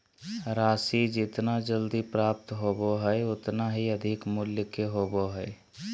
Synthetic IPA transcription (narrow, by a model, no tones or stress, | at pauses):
ɾasid͡ʒɪt̪nad͡ʒəld̪ipɾap̚t̪ɦoboɦəjʊt̪naɦiəd̪ʱikmuljkeɦoboɦəe